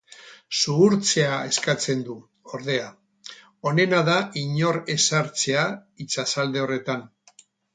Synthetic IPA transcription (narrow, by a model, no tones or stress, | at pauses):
suːɾt͡se̞ae̞skat͡se̞nd̪u | o̞ɾðe̞a | o̞ne̞naðaʔiɲo̞ɾe̞saɾt͡se̞ait͡sasald̪e̞o̞re̞t̪an